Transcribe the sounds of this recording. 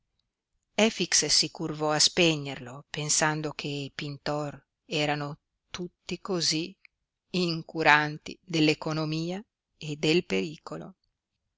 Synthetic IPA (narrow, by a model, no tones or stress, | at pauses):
ɛfikssikurvɔaspeɲːerlopensand̪okʰeipint̪ɔr | ɛːɾano | t̪ut̪ːikozi | iŋkuɾant̪ḭd̪elːekonomiːa | ed̪elpeɾiːkolo̰